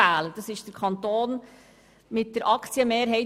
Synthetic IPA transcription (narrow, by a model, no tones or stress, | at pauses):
æːləd̥ɑsɪʃd̥əɾkʰɑnt̪oːn | mɪt̚d̥əɾʔɑkt͡sjəmeːɾɦɛɪ